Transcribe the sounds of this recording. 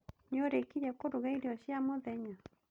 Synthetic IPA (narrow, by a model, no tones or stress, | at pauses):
ɲoɾekiɾɛkoɾuɣaiɾiɔɕjamoðɛɲa